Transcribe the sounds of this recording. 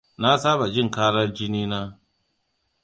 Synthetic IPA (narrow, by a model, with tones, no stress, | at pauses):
na˦saː˦ba˨d͡ʒɪ˦˨ŋkaː˦ɽɐ˦rd͡ʒɪ˦niː˦naː˦